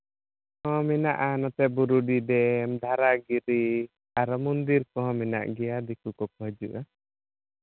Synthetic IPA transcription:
ɔ̃mɛnaʔanɔt̪ɛbuɾuɖid̪ɛmd̪ʱaɾaɡiɾi | aɾɔmund̪iɾkɔɦɔ̃mɛna̰ʔɡɛjad̪ikukɔkɔɦd͡ʒuʔa

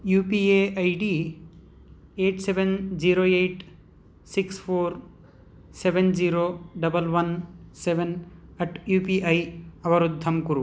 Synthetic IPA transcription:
juːpieɐjɖi | eːʈsebend͡ʒiɾoːeʈ | sikspʰoːɾ | seʋend͡ʒiɾoːɖɐbɐlʋɐnseʋenɐʈjuːpiʔɐjɐʋɐɾud̪ʱːɐmkuɾu

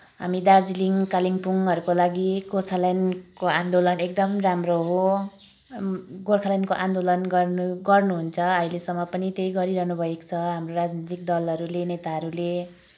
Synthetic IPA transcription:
ɦa̰mid̪ard͡ziliŋkaliŋpuŋʌɾukolaɡiɡorkʰalajnkoãnd̪olʌnek̚d̪ʌmramroɦo | ɡorkʰalajnkoʔãnd̪olʌnɡʌrnuɡʌrnuɦunt͡sʰʌʌilesʌmːʌpʌnit̪ejɡʌɾiɾʌɦnubʱʌekt͡sʰʌɦamroɾad͡znit̪ik̚d̪ʌlʌɾulenet̪aɦʌɾule

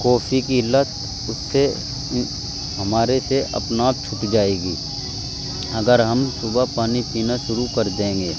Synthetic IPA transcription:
kɔːfʰikilət̪ | ʊsːe | ɦɐmaːɾeseʔɐ̰pnaːb̚t͡ʃʰʊʈd͡ʒaːeːɡḭː | ɐɡəɾɦɐmsʊbʱapaːnipiːnaʃʊɾukɐɾd̪ẽːɡeː

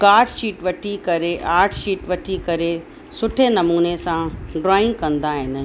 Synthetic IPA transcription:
kaːɾʈʃiːʈʋɐʈʰikɐɾeʔaːɾʈʰʃiːʈʋɐʈʰikɐɾe | sʊʈʰenɐmuːnesãɖɾaːɪ̃ŋɡkɐ̃nd̪aɦɪnɪ̆

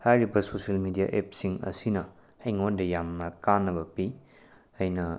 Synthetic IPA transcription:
hajɾibɐsosɐlmidia̰ʔep̚siŋɐ̰sinɐ | hɐjŋondɐjamnɐkanːɐβɐpi | ɐjnɐ

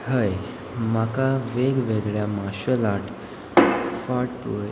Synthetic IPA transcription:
həj | makaʋeɡʋeɡɭjamaɕəlaʈ | faʈo

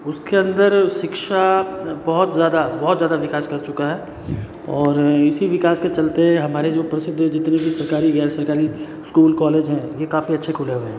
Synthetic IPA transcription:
ʊskeɐ̃nd̪əɾʃɪkʃabɔɦʊt̪zjaːd̪abɐɦt̪zjaːd̪aʋɪkaːskɐɾt͡ʃʊkaɦɛː | ɔːɾɪsiʋɪkaːsket͡ʃɐlt̪eɦɛ̃ɦɐmaːɾed͡ʒoːpɾɐsɪd̪ʱːd͡ʒɪt̪nebʱisɐɾkaːɾiʋaːsɐɾkaːɾi | skuːlkɔːleːd͡ʒɦɛ̃jekaːfiɐtːʃʰekʰʊleɦʊeɦː

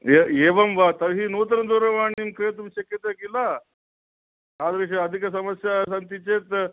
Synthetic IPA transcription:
eeʋɐmʋat̪ɐɾɦiːnot̪̬ɾɐd̪oɾɐʋaɳiːmkɾet̪umɕɐkjət̪akila | ɦad̪ɡɐɕeɐd̪ʱikəsɐməsjas̬ant̪it͡ɕet̪

